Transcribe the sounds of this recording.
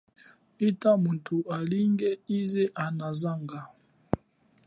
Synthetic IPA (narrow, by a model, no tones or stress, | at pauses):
itamuntʰualiŋɡɛizɛʔanazaŋɡa